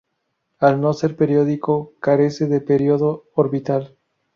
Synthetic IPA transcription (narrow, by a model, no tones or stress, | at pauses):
alno̞se̞ɾpe̞ɾjo̞ðikokaɾe̞seðe̞peɾjoðoːɾβit̪al